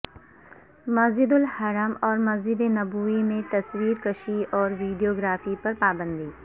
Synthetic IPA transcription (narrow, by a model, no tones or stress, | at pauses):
mɐsd͡ʒɪd̪ʊlhɐɾəmɔːɾmɐzd͡ʒɪd̪enɐbuːimẽt̪ɐswiːɾkɐʃiɔːɾʋiːɖijoːɡɾaːfipɐɾpaːbə̃nd̪iː